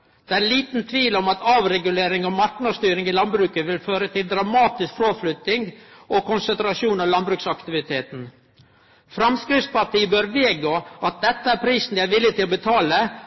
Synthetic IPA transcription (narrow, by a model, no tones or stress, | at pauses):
d̪̥ɛæliːt̪nt̪ʰʋiːlɔmɑt̪ʰɑːʋɾɛɡʉleːɾɪŋɔmɑɾknɑst̪yːɾɪŋɪlɑnbɾʉːkəʋɪlføːɾət̪ʰɪld̪ɾɑmɑːt̪ɪskfɾoːflʏt̪ːɪŋɡɔkʰʊnsənt̪ɾɑʂuːnɑʋlɑnbɾʉːksɑkt̪ɪʋɪt̪ʰeːt̪n̩ | fɾɑmskɾɪfspɑʈiːəbøːɾʋeːɡoːɑt̪̚d̪ɛt̪ːəæɾpʰɾiːsn̩d̪ɪæʋɪlːɪt̪ʰɪlɔbət̪ʰɑːlə